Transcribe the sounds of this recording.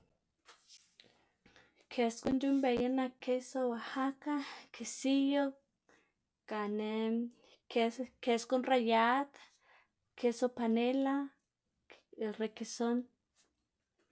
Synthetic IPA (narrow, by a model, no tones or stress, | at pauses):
kʰeskund͡ʒumbejanakesowahakakisijo | kane | keskunrajat̪ | kesopanela | rekison